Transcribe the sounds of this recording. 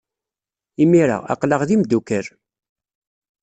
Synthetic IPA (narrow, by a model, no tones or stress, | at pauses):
imiɾa̰ɑ̰qləʁðimd̪ːukəɾ